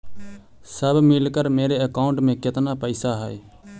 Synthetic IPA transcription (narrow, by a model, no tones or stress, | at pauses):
səbmɪlkəɾmeːɾeːəkaːʊɳʈmẽːkɪt̪naːpəɪsaːɦəeː